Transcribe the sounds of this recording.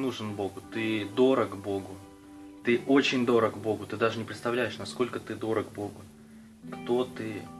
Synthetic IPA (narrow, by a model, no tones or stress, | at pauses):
nuʐɨnbo̞ɡʊt̪ɨd̪o̞ɾəɡbo̞ɡʊ | t̪ɨʔo̞t͡ɕɪnʲd̪o̞ɾəɡbo̞ɡʊt̪ɨd̪aʐɨnʲɪpɾʲɪt̪st̪ɐvlʲæjɪʂnɐsko̞lʲkət̪ɨd̪o̞ɾəɡbo̞ɡʊ | kt̪o̞t̪ɨ